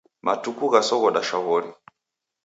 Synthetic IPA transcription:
matukuɣasɔɣɔɗaʃaɣɔɾi

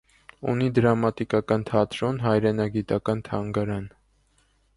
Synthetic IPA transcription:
ṵnid̪əɾɑmɑt̪ikɑkɑnt̪ʰɑt̪ɾɔnɦɑjɾɛnɑɡit̪ɑkɑnt̪ʰɑŋɡɑɾɑn

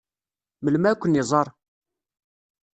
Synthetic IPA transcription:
məlmækʷːənizˤɑɾˤ

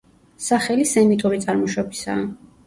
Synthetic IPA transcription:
saχɛlisɛmit̪ʼuɾit̪sʼaɾmɔʃɔbisa̰ː

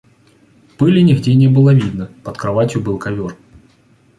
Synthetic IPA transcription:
pɨlʲɪnʲɪɣdʲenʲebɨlˠəvʲid̪nəpət̪kɾɐvatʲjʊbɨlˠkɐvʲor

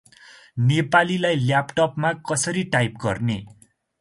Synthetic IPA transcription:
nepalilajljapʈʌpmakʌsʌɾiʈajpɡʌ̰rne

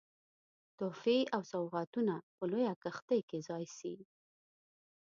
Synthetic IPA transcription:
t̪ofiawsawɣɑt̪unapəlojakaxt̪əjkezɑjsi

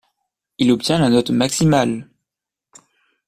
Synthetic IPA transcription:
ilɔpt̪jɛ̃lanɔt̪maksimal

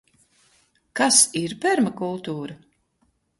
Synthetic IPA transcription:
kasiɾpɛɾmakulˠt̪uːɾa

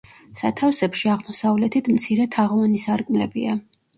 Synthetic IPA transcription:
sat̪ʰafsɛpʃiaʁmɔsavlɛt̪ʰit̪ʰmt̪sʰiɾɛt̪ʰaʁvanisaɾkʼmlɛbḭa

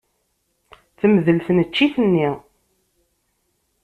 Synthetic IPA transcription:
θəməðəlθənət͡ʃːiθənːi

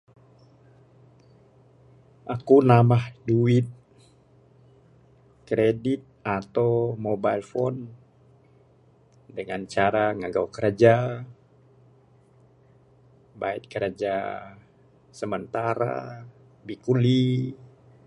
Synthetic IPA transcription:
ʔakunamahduɪt̪̚ | kɾedit̪̚at̪awmobailfɔn | dəŋant͡ʃaɾaŋaɡawkəɾad͡ʒa | bait̪̚kəɾad͡ʒa | səmənt̪aɾa̰ | bikuli

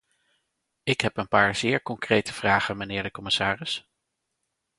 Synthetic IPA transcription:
ɪkɦɛpənpaːɹz̥ɪːɹkɔŋkrejtəv̥raːχənmənɪːɹdəkɔmɪsaːrɪs

